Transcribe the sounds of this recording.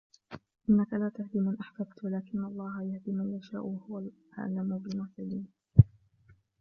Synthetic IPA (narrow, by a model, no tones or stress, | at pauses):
ʔɪnːakalaːt̪ahd̪imanʔaħbabt̪walaːkɪnːaʔɑlˤːɑːɦajahd̪iːmanjaʃa̰ːʔhʊwalʔa̰ʕlːamʊbɪmʊsaliːm